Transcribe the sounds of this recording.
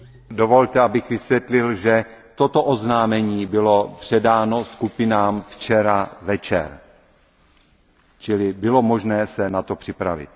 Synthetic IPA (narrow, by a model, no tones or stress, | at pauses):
do̞vo̞lt̪ɛabɪxvɪsvjɛt̪lɪlʒɛt̪ot̪oʔoznaːmɛɲiːbɪlopr̝̥ɛdaːnoskupɪnaːmft͡ʃɛɾavɛt͡ʃɛ̰ɾ | t͡ʃɪlɪbɪlo̞mo̞ʒnɛːsɛnat̪opr̥ɪpɾa̰vɪ̰t̪̚